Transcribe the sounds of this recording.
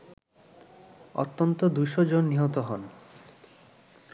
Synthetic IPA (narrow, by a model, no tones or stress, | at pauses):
ɔ̰t̪ːɔnt̪od̪ujʃod͡ʑonːiɦɔt̪oɦɔn